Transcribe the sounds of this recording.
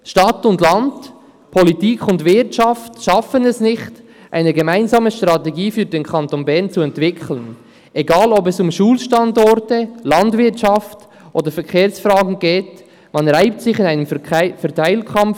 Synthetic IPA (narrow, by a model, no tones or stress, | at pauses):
ʃtɑtʊndlɑnd | pʰɔlitiːkʰʊndvɪɾtʃɑftʃɑfənɛsnɪχt | ʔa̰ɪnəɡemaɪnzɑːməʃtʁɑtɛɡiːfyːdeːnkʰɑntonbɛʁnt͡suɛntv̥ɪkʰlən | ʔeɡɑːlɔbɛsʊmʃuːlʃtɑndɔɾtəlɑndvɪtt͡ʃɑft | ʔoːdəɾfɛɾkʰeːɾsfrɾɑːɡn̩ɡeːt | mɑnɾaɪp̚tsɪçɪnaɪnəmfɛɾtʰaɪlkʰɑmf